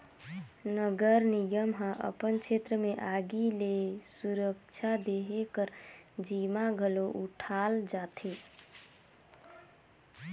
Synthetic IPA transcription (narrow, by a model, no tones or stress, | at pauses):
nəɡəɾnijəmɦə̃ʔə̰pənt͡ʃʰet̪ɾəmeʔaɡilesuɾək̚t͡ʃʰad̪eɦekəɾd͡ʒimaɡʱəloʔuʈʰald͡ʒat̪ʰe